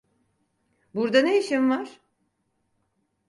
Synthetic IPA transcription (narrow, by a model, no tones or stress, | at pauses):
buɾd̪anejiʃimvaɾ̥